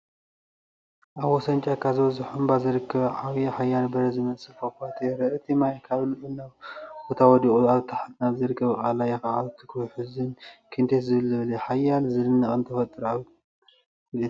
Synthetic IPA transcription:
ʔaβwɔsɐnt͡ʃʼakʰazɨβɐzɨħumbazɨɾɨkʰːɐβʕaβjaħajːanbɐɾɐzɨmɐt͡sʼɨfokʷat̪ʰeɾɐɨt̪ʰimajkʰaβlɨʔʼɨnaβbot̪ʰawɔd̪ikʼuaβt̪ʰaħat̪naβzɨɾɨkʰːɐβɨkʼalajɛxaʕaβt̪ʰːɨ̥kʰojħɨzɨnkʰint̪ʰeszɨβɨlzɨβleħajalzɨlɨnːɐχʼɨnt̪ʰɐfɐt̪ʼɨɾaβ

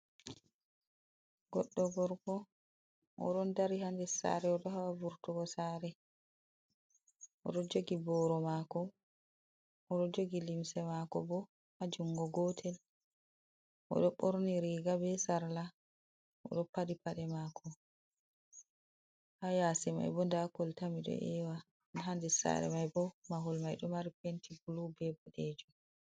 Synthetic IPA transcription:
ɡɔɗːɔɡɔɾkɔ | ʔɔ̰ɗɔndaɾihandɛsa̰ɾɛɔɗɔhawavuɾtuɡɔsaɾɛ | ʔɔ̰ɗɔd͡ʒoɡibɔɾɔmakɔ | ʔɔɗɔd͡ʒoɡilimsɛmakɔbɔ | had͡ʒuŋɡɔɡɔtʰɛl | ʔɔ̰ɗɔɓoɾniɾiːɡabɛsaɾla | ʔɔ̰ɗɔpaɗipaɗɛmakʰɔ | hajaːsɛma̰jbɔndakɔltamiɗɔ̰ʔɛ̰wa | nɦandɛsa̰ɾɛ̰majbɔmaɦulmajɗumaɾipentibulubɛbɔɗed͡ʒum

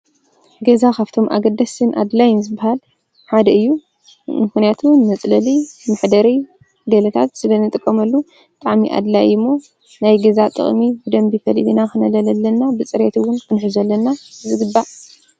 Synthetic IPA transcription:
ɡɐzakʰaβt̪ʰo̞mʔa̰ɡɐd̪ːɐsɨnʔa̰d̪lajnzɨbahal | ħad̪ɐɨjːu | mɨxnijat̪ʰunmɐt͡sʼlɐlimɨħd̪ɐɾi | ɡɐlɐt̪ʰat̪sɨlɐnɨt̪ʼɨkʼːɐmɐlːu | bɨt̪ʼaʕmiʔa̰d̪lajimːo | najɡɐzat̪ʼɨ̰χʼmibɨd̪ɐmbifɐlibinakɨnɐlɐlɐlːɐnːabɨt͡sʼɨɾet̪ʰɨwʊnkɨnħɨzɐlːɐnːazɨɡɨbːa

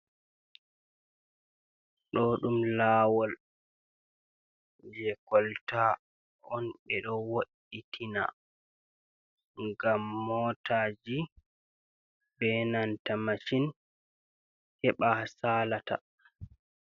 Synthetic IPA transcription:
ɗɔɗumlaːwɔl | d͡ʒɛkɔlta | ɔnɓɛɗɔwoɗːitʰina̰ | ŋɡamːɔtʰaːd͡ʒi | bɛnantamaʃin | kɛɓasaːlata̰

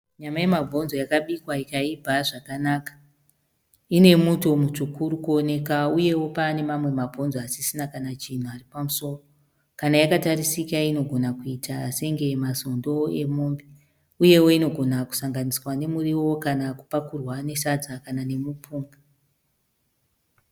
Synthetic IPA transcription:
ɲamajemavʱo̞nzo̞jakaɓikwaikaibʱaʐakanakḁ | ine̞muto̞mut͡ʃukuɾukuo̞ne̞kauje̞wo̞paːne̞mamwe̞mab͡vʱo̞nzoasisinakanat͡ʃin̤uaripamuso̞ro | kanajakatarisikaino̞ɡʱo̞nakuitʰaːse̞ŋɡe̞masondo̞e̞moːmbi | uje̞wo̞ino̞ɡʱo̞naku̥saŋɡaniswane̞muriwo̞kanaku̥pakurwane̞sad͡zakanane̞mupʰuːŋɡa

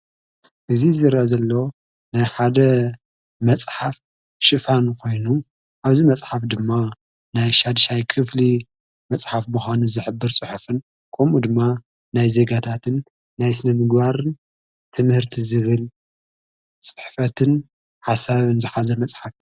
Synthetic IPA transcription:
ʔɨzizɨɾʔazɐlːo | najħad̪ɐ | mɐt͡sʼħaf | ʃɨfankʰo̞jnu | ʔaβzimɐt͡sʼħafd̪ɨmːa | najʃad̪ʃajkʰɨfli | mɐt͡sʼħafmuxʷanuzɨħɨbːɨɾt͡sʼɨħufɨn | kʰɐmud̪ɨmːa | najze̞ɡat̪ʰat̪ʰɨnː | ajsɨnɐmɨɡbaɾɨn | t̪ʰɨmhɨɾt̪ʰizɨβɨl | t͡sʼɨ̥ħfɐt̪ʰɨn | ħasaβɨnzɨħazɐmɐt͡sʼħaf

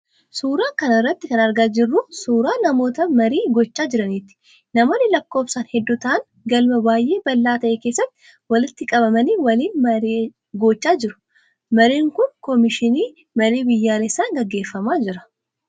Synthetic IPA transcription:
suːɾaːkɐnɪrːɐt̪ːɪkɐnɐɾɡaːd͡ʒɪrːʊsuːɾaːnɐmo̞ːt̪ɐmɐɾiːɡɔt͡ʃːaːd͡ʒɪɾɐnɪt̪ːɪ̥ | nɐmoːnːɪlɐkːo̞ːpsaːnhɛd̪ːʊt̪ɐʔɐŋ | ɡɐlmɐbaːjʔe̞ːbɐlːaːt̪ɐʔeːkeːsːɐt̪ːɪ̥ | wɐlɪt̪ːɪkʼɐβɐmɐniːwɐliːnmɐɾeː | ɡɔːt͡ʃːaːd͡ʒɪɾʊ̥ | mɐɾiːŋkʊnkɔmɪʃɪniː | mɐɾiːbɪjːaːlɛsːaːŋɡɐɡːe̞ːfːɐmaːd͡ʒɪɾɐ̥

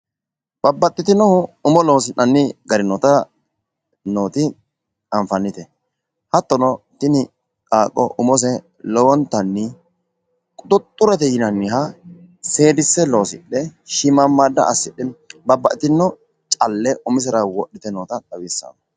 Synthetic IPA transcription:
b̥ɐbːɐt̪ʼːɪt̪ɪnɔhʊʊmɔlo̞ːs̬ɪnːɐnːɪɡɐɾɪnɔt̪ɐ | noːt̪ɪ | ɐmfɐnːɪt̪ɛ | hɐt̪ːɔnɔ | t̪ɪnɪ | kʼaːkʼːɔ̰ʔʊmɔs̬ɛ | lɔwɔnt̪ːɐnːɪ | kʼʊt̪ɔt̪ʼːʊɾɐt̪ɛjɪnɐnːɪɦɐ | seːd̪ɪsːɛlo̞ːsɪ̰ɗːɛʃɪmamːaːd̪ːɐ̰ʔɐsːɪɗɛbɐbːɐʔɪt̪ɪnːɔ | t͡ʃʼɐlːɛʔʊmɪs̬ɐɾawɔɗːɪt̪ɛnoːt̪ɐd̪ɐwiːsːa̰n

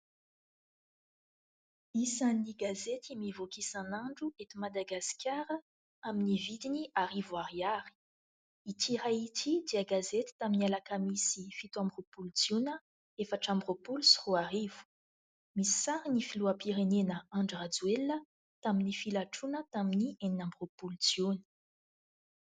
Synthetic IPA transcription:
isanniɡazet̪imivokisãnaɳɖ͡ʐuet̪umad̪aɡaskaɾə | aminivid̪iniaɾivwaʁiaɾi̥ | it̪ʰiɾait̪ʰid̪eəɡazet̪i̥t̪aminialakamisifit̪uãmbropult͡sjunə | efaʈ͡ʂambropulusu̥ʁuarivu̥ | misi̥saɾinifiluəpiɾenenəaɳɖ͡ʐad͡zwelə | t̪aminifilaʈ͡ʂunət̪aminieninambʁopult͡sjunə̥

